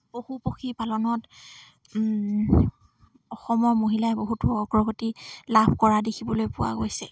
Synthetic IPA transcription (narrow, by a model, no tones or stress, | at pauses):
bohupoxʰipalɔnɔt | ɔxɔmɔɹmoɦilaɛboɦutʊɔɡɹɔɡotilabʱkɔɹadekʰibɔlojpʊwa̰ɡojsɛ